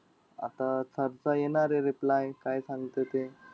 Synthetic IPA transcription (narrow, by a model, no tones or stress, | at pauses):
a̰t̪at͡səɾt͡sajenaɾeɾiplajkajsãŋɡt̪ət̪e